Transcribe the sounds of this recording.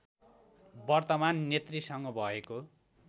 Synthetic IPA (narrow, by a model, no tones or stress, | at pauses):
bʌrt̪ʌmanːet̪risʌŋɡʌbʱʌeko